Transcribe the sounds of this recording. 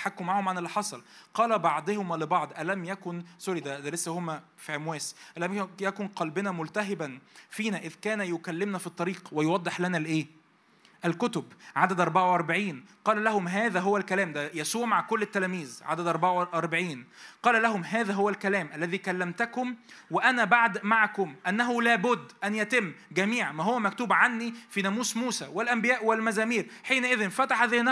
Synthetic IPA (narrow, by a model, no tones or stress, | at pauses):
ḁħakːʊmːaʕahomʕanelːɪħɑsˤɑlqɑːlæbɑʕd̪ˤohʊmlɪbɑʕd̪ˤʔælæmjækʊnsˤoɾid̪æd̪ælesːæhomːæ | fiʕemwæːsʔælæmjækʊnqɑlbɪnæmʊlt̪æɦɪbænfiːnæʔɪðkæːnæjokælːɪmnæfit̪ˤːɑɾiːqwejowɑd̪ˤːeħlænælʔeː | ʔælkʊt̪obʕad̪æd̪ʔɑɾˤbaʕawʔɑɾˤbaʕiːnqɑːlælæhʊmɦæːðæɦowːælkælæːmd̪æjæsuːɾmaʕkolːɪt̪ːælæːmiːzʕa̰d̪æd̪ʔɑɾˤbaʕawʔɑɾˤbaʕiːnqɑːlælæhʊmɦæːðæɦowːælkælæːmʔælːæðiːkælːæmt̪ækʊmweʔænæbaʕd̪maʕakʊmʔænːæɦʊlæːbʊd̪ːʔænjæt̪ɪmːɡæmiːʕmæɦowːæmækt̪uːbʕanːifiːnæmuːsmuːsæwelʔæmbɪjæːʔwelmæzæːmiːɾħiːnʔɪðɪnfæt̪aħðenæ